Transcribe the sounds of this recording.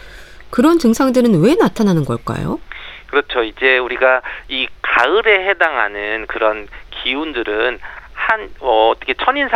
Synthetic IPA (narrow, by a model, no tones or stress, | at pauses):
kɯɾʌntɯŋsʰaŋdɯɾɯnwe̞natʰananɯnɡʌ̰ɭk͈a̰jo̰kɯɾʌt͡ɕʰoid͡ʑe̞uɾiɡaikaɯɾe̞ɦe̞daŋɦa̰nɯnkɯɾʌnkʰiundɯɾɯnhanʌtʰʌkʰet͡ɕʰʌɲinsʰ